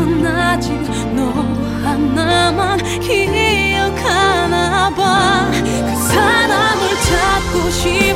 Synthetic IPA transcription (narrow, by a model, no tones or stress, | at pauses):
ɯnːad͡ʑim | nɔ | duhanːaman | kiejʌkʰanaba | kɯsʰaɾamɯɭt͡ɕat̪̚koɕi